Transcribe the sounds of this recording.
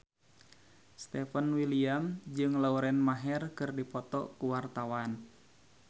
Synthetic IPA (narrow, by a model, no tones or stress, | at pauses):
st̪ɛfənwiliamd͡ʒɨŋlauɾɛnmaɦɛrkɨrdipɔt̪ɔ̰kuwart̪awan